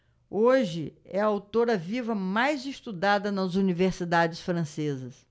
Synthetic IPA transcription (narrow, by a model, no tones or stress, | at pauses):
oʒɪɛɐawt̪oɾɐvivɐmajzɪst̪ud̪ad̪ɐnɐzuniveɾsid̪ad͡ʒɪsfɾɐ̃sezɐs